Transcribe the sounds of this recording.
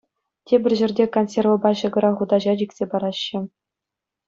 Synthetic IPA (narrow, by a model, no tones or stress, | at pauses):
tʲebʲɘ̆rʲʑɘ̆rʲdʲekonsʲervŏbɑɕɤ̆ɡɤ̆ɾɑχud̪ɑʑɑd͡ʑikʲsʲepɑɾɑɕːɘ̆